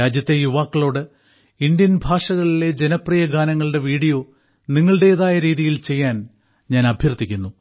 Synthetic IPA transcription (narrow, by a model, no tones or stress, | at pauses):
aːd͡ʑjɐt̪ːe̞juʋaːkːɐɭo̞ːɽɨ | ind̪jɐnbʱaːʂɐɣɐɭile̞d͡ʑe̞nɐprijɐɡʱaːnɐŋːɐɭɨɽe̞ʋiːɽijo̞ː | niŋːɐɭɨɽe̞ːðaːjɐɾiːðijilt͡ɕe̞jːaːn | ɲaːnɐbʱjɐrt̪ːikʲːunːu